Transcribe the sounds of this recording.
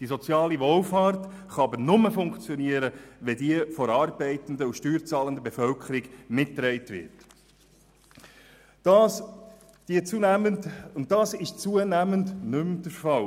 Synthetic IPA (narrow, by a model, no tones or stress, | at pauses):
d̥isɔt͡sjɑːliʋolfɑːɾt | χɑɑbəɾnʊməfʊŋkt͡sjɔniəɾəʋɛdiəfɔɾɑːrbɛɪtəndəuʃtyːɾt͡sɑːləndəbefœlkʰəɾɪɡmɪtːɾɛɪtʋɪ̰ɾt | ɑs | d̥iət͡suəʊnttɑːsɪʃt͡suənæməndnʏmd̥əɾfɑl